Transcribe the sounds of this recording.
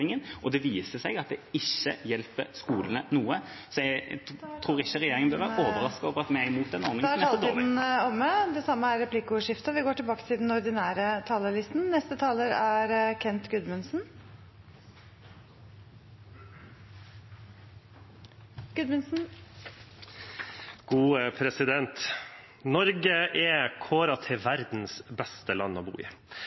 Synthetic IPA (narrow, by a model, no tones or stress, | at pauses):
ɪŋənʔɔd̪ɛʋiːsəsɛɡɑt̪̚d̪ɛɪçːə̰jɛlpəɾskuːlənənuːəsɔɛt̪ʰɾuːɾɪçəɾɛjeːɾɪŋənbœlʋæɾʔoːʋəɾɑskoːʋəɾɑt̪mɛæɪmuːt̪̚d̪ɛnːɔɾnɪŋmɑlt̪iːd̪n̩ɔmːəd̪ɛsɑmːəæɾɾɛpʰlɪkʊʂɪft̪ɑʋɪɡoːʈɪlbɑːkə̥t̪ʰɪld̪ɛnɔɾd̪ɪnæːɾət̪ʰɑːləlɪst̪nnɛst̪ət̪ʰɑːləɾæɾkʰɛnt̪ɡʉd̪mʉnsn̩ | ɡ̥ʉd̪mʉnsn̩ | ɡ̥uːpʰɾɛsɪd̪ɛnt̪ | nɔɾɡəʔɛkʰoːɾɑt̪ʰɛʋæɾd̪n̩sbɛst̪əlɑ̰nːɔ̰ːbṵːɪ̰